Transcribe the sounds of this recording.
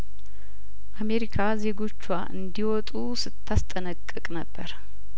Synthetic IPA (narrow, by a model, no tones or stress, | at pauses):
ʔame̞ɾikʰaze̞ɡo̞t͡ʃːwaʔɨ̰nd̪iwɔt̪ʼusɨt̪ʰːast̪ʼənəkʼːɨkʼnəbːəɾ